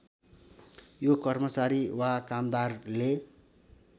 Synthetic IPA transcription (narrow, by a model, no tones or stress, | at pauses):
jokʌrmʌt͡saɾiwakamd̪arle